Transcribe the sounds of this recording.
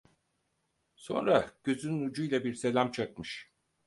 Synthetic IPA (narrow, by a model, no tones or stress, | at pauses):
so̞̰nɾaɟ̥ø̞zynynud͡ʒujlʲˠabiɾse̞lʲamt͡ʃʰak̚mɯʃ